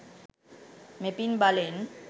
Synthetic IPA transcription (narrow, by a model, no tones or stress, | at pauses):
mepinbalen